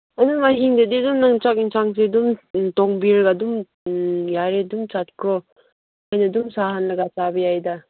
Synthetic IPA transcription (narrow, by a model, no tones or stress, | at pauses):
anɯmaɦiŋdedidumnaŋt͡ʃakinsʰaŋs̬edumtɔŋbiɾɡadum | jaɾedumt͡ʃat̚kʰɔ | ajnadumsaɦanlɐɡat͡ʃabɐjajda